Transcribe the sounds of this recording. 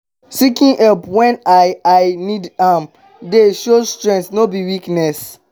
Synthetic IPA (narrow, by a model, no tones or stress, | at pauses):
sikĩŋʔɔpwɛ̃najaɪnidam | deʃostɹɛ̃ntnobiwiknɛs